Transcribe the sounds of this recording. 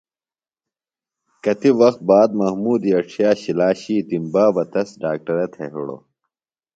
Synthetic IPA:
kɐt̪iʋɐxt̪̚baːd̪mɐhmuːd̪iɐʈ͡ʂʰijaːɕilaːɕiːt̪imbaːbɐt̪ɐsɖaːk̚ʈɐɾɐt̪ʰeɦṵɽo̰

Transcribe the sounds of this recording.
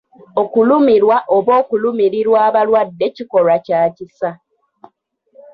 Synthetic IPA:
o̞kulumiɾwaʔoβo̞ːkulumiɾiɾwaːβalwadːe̞ciko̞ɾacaːcisa

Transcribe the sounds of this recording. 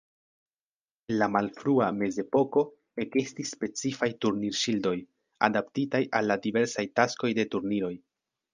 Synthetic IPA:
enlamalfɾuame̞ze̞po̞ko̞ | e̞ke̞stisːpe̞t͡sifajtuɾniɾʃildo̞j | a̰daptitajʔalːadive̞ɾsajtasko̞jde̞tuɾniɾo̞j

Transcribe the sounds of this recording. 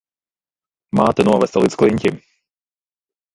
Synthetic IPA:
maːt̪ɛnuɔvɛst̪alˠit̪sklˠiɲʲcʲi

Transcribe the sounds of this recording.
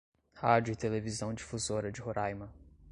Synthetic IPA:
had͡ʒʊɪt̪elevizɐ̃w̃d͡ʒɪfuzoɾɐd͡ʒɪhoɾʔajmɐ

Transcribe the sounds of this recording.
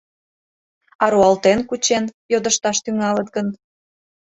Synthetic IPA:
ɑɾoɑlt̪enkut͡ɕenjod̪əʃt̪ɑʃt̪yŋɑlət̪̚ɡən

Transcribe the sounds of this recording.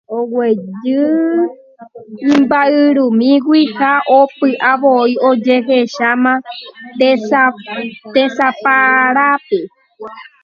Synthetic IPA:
owed͡ʒɨ | ĩmbaɨɾũmĩɡʷihaʔopɨʔaβoiod͡ʒe̞ɦeʃamã | t̪esapaɾape

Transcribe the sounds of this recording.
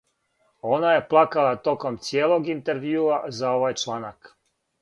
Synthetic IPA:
o̞naje̞plˠakalˠat̪o̞ko̞mt̪sjeːlˠo̞ɡint̪e̞ɾʋjuːazao̞ʋajt͡ʃlˠaːnak

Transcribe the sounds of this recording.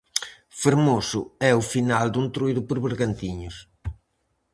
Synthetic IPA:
feɾmosʊ̰ɛʊfinald̪unt̪ɾujðʊpoɾβeɾɣant̪iɲʊs

